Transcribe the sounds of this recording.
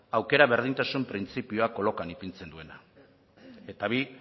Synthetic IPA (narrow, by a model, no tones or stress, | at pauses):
awke̞ɾaβe̞ɾð̞int̪asumpɾint͡sipio̞ako̞lo̞kanipint͡se̞nd̪ue̞na | e̞t̪aβi